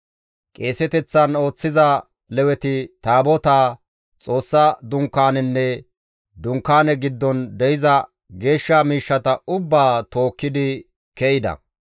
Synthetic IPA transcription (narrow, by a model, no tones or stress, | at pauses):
kʼe̞ːsɛt̪ɛt͡sːɐno̞ːt͡sːɪzɐ | lɛwɛt̪ɪt̪aːbɔt̪aː | t͡sʼo̞ːsːɐd̪ʊŋkːaːnɛnːɛ | d̪ʊŋkːaːnɛɡɪd̪ːɔnd̪ɛjɪzɐ | ɡe̞ːʃːamiːʃːɐt̪ɐʊbːaːt̪o̞ːkːɪd̪ɪ | kɛjɪd̪ɐ̰